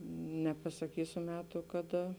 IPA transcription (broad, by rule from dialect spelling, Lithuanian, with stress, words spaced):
nʲɛpɐsɐˈkʲiːsʲʊ ˈmʲæːtʊ kɐˈdɐ